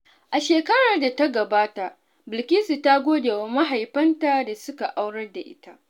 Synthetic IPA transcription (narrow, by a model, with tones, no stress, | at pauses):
ʔa˨ʃeː˨kɐ˦ɽaː˨da˨ta˦ɡɐ˨baː˦ta˨ʔ | bɪ˨lkʲɪ˦si˨ta˦ɡʷoː˦deː˨wa˦ma˦ɦa˨jɸɐ˦nta˨da˨sʊ˦ka˨ʔa˦wɽɐ˦rda˨ʔɪ̰˦ta˦ʔ